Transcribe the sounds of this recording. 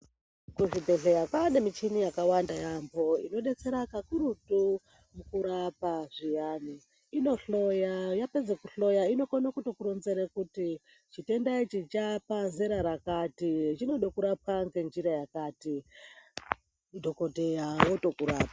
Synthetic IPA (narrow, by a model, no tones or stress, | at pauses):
kuʐibʱe̞ɮejakwanemit͡ʃinijakawandajambo̞ḭno̞ɗe̞t͡se̞ɾakakuɾutu | mukuɾapaʐijaːni | ino̞ɬo̞jajape̞d͡zekuɬo̞jaino̞konakuto̞kuɾonzeɾekuti | t͡ʃite̞ndait͡ʃit͡ʃapazeɾaɾakatit͡ʃino̞ɗokuɾap̚waŋɡe̞nd͡ʒiɾajakaːti | dʱo̞ko̞te̞jawoto̞kuɾa̰ːpa